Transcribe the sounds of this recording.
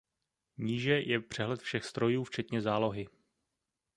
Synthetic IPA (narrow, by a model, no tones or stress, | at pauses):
ɲiːʒɛjʔɛpr̝̥ɛɦlɛt̪fʃɛxst̪ɾo̞juːft͡ʃɛt̪ɲɛzaːlo̞ɦɪ